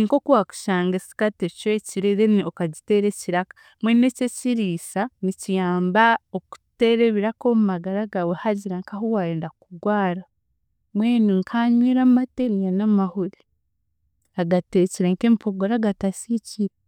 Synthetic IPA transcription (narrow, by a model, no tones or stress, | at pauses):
iŋkokuwaku̥ʃaːŋɡesi̥katecweciɾeɾeniokaɟite̞ɾeciɾakḁ | mwenececiɾiːsanicijaːmbaoku̥te̞ɾe̞βiɾakomumaɡaɾaɡawehaɟiɾaŋkaɦuwaeːndakuɡwaːɾa | mweːniŋkʰaɲweːɾammateɾijanamahuɾi | aɡateciɾeŋkempoɡoɾaɡatasiciɾe